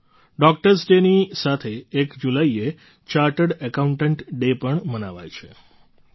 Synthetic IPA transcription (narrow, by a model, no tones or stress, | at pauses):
ɖɔk̚ʈəɾsɖenisat̪ʰeːkd͡ʒulaie | t͡ʃaɾʈəɽəkauɳʈəɳʈɖepəɳmənaʋa̰jt͡ʃʰe